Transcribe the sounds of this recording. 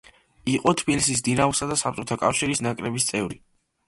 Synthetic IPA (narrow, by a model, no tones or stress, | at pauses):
iqʼɔt̪ʰbilisisd̪inausad̪asap̚ʼt͡ʃʼɔt̪ʰakʼafʃiɾisnakʼɾɛbist̪sʼɛvɾi